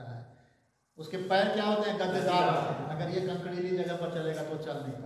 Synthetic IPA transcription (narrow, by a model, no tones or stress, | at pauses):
aɦɛː | ʊskepɛːnkjaɦoːt̪eɦɛ̃ɡɐ̃nt̪edaːɾat̪eɦɐɡəɾjekɐ̃ŋkɽiɾid͡ʒɐɡəɾpɐɾt͡ʃɐleːɡat̪ot͡ʃɐlnĩa